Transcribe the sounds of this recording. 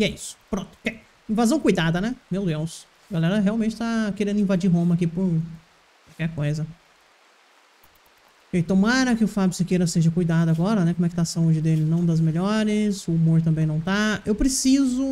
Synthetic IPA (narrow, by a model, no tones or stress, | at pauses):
ɛisʊ̥pɾõt̪ʊ̥kɛ | ĩvazɐ̃w̃kujd̪ad̪ɐnɛmewd̪ews | ɡalɛɾɐɦeawmẽnt͡ʃɪ̥t̪akeɾẽnd̪ĩvad͡ʒiɾɦõmɐkipʊɾ | kawkɛɾkojzɐ | kejt̪õmaɾɐkɪʊfabjʊsɪkejɾɐseʒɐkujd̪ad̪ʊaɡɔɾɐnɛkomwɛkɪ̥t̪asɐud͡ʒɪd̪elɪnɐ̃w̃d̪ɐzmeʎɔɾɪszʊːmoɾt̪̬ɐ̃mbẽj̃nɐ̃w̃t̪aewpɾesizʊ